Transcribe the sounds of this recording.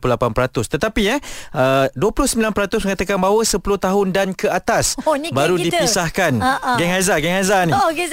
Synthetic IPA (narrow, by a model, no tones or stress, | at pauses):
pulapanpəɾat̪ʊst̪ət̪apiɛʔəduəpulʊhsəmbilanpəɾat̪ʊsməŋat̪akanbaɦwəsəpulʊht̪aɦʊndankəat̪asnbaɾudipisahkanʔɡɛŋazaɡɛŋazaniɡɛ